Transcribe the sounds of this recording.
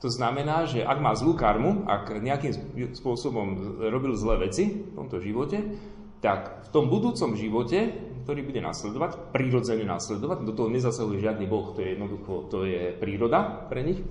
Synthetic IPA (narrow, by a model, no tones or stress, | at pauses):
t̪ɔznamɛnaːʒɛʔaɡmaːzluːkaɾmua̰ɡɲɛakiːmspʊɔsɔbɔmɾɔbilzlɛːʋɛt͡sift̪ɔ̰mt̪ɔʒiʋɔcɛ | t̪akft̪ɔmbud̪uːt͡sɔmʒiʋɔcɛkt̪ɔɾiːbuɟɛna̰ːslɛd̪ɔʋacpɾiɾɔd͡zɛɲɛna̰slɛd̪ɔʋaɟd̪ɔt̪ɔɦɔɲɛzasaɦujɛʒɪad̪niːbɔxt̪ɔjɛjɛd̪nɔd̪uxɔt̪ɔjɛpɾiːɾɔd̪apɾɛɲix